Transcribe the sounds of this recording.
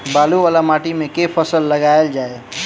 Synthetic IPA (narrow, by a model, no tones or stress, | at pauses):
baluʋalamaʈimekepʰəsəlːəɡaeld͡ʒae